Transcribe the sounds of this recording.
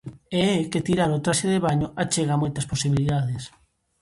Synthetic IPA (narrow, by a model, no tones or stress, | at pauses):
eɛket̪iɾaɾot̪ɾaʃeðeβaɲoʔat͡ʃeɣamojt̪ɐsposiβiliðaðes